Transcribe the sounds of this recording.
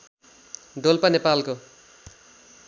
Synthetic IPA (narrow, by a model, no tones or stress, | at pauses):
ɖ̪olpʌnepalko